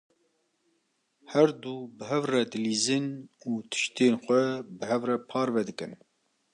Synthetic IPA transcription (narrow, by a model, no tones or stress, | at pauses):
hɛɾd̪uːbɨɦɛvrɛd̪ɨliːzɨnuːt̪ʰɨ̥ʃt̪eːnxʷɛbɨɦɛvrɛpʰɑːɾvɛd̪ɨkɨn